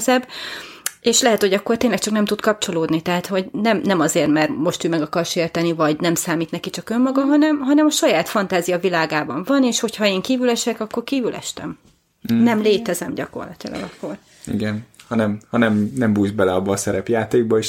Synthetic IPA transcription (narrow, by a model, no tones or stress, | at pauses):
zɛb | eːʃlɛɦɛt̪hoɟɒkːo̞rt̪eːnlɛk̚t͡ʃɒknɛmt̪ut̪kɒp̚t͡ʃo̞loːd̪nit̪ɛɦaːt̪ho̞ɟnɛmnɛmɒzeːrmɛrmo̞ʃt̪øːmɛɡɒkɒrʃeːrt̪ɛnivɒɟnɛmsaːmiːt̪nɛkit͡ʃɒkømːɒɡɒɦɒnɛmɦɒnɛmɒʃɒjaːt̪fɒnt̪aːzijɒvilaːɡaːbɒɱvɒneːʃho̞cʰhɒeːŋkiːvylɛʃɛkɒkːo̞rkiːvylɛ̰ʃt̪ɛ̰m | nɛmleːt̪ɛzɛmɟɒko̞̰rlɒt̪ilɒ̰ɡɒkːo̞r | ḭɡɛnhɒnɛmhɒnɛmnɛmbuːjzbɛlɛɒbːɒːsɛɾɛpjaːt̪eːɡ̚bɒeːʃ